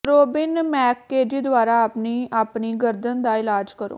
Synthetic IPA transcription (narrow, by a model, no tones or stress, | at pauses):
ɾoːbɪnmɛːkːeːd͡ʒiːd̪ʊaːɾaːapniːaːpniːɡəɾd̪ənd̪aːɪlaːd͡ʒkəɾo̰ː